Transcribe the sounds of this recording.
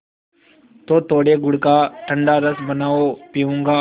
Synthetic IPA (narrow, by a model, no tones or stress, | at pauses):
t̪oːt̪oːɽeɡʊɽkaʈʰə̃ɳɖaɾəsbənaːopiũŋɡaː